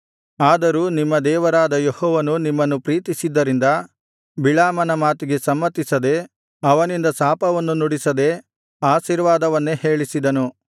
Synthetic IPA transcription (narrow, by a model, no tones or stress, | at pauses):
aːd̪ɐɾuːnimːɐd̪ɛːʋɐɾaːd̪ɐjehɔːʋɐnunimːɐnːupɾiːt̪isid̪ːɐɾind̪ɐ | bilaːmɐnɐmaːt̪iɡe̞sɐmːɐt̪ːisɐd̪e̞ | ɐʋɐnind̪ɐsaːpɐʋɐnːunuɽisɐd̪e̞ | aːʃiːɾʋaːd̪ɐʋɐnːehe̞ːɭisid̪ɐnu